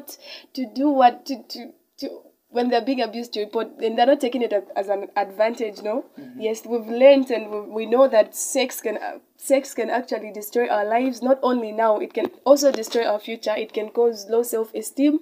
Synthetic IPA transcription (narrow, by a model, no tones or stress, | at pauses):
tʰːɨduwʌtɨtʰu | tʰɨ | wɛ̃nðeə˞biɪ̃ŋɨbjʉzd̚tʰɨɹipɔɹt̚ɨ̃nðenɔtʰːeɪkɪ̃ŋɪɾɨzə̃nədvæ̃ntɪd͡ʒnoʊjɛswivlɜ˞ntɨ̃nwiwinoʊðɨtsɛkskɨ̃n | sɛkskɨ̃næk̚t͡ʃul̩ˠidɨstɹ̥ɔɪʔaʊə˞laɪvznɔtõʊ̃nlinaʊɪt̚kɨ̃nɔlˠs̬oʊdɨstɹ̥ɔɪaʊə˞fjʉt͡ʃə˞ɪt̚kɨ̃nkozloʊsɛlˠfɛstĩm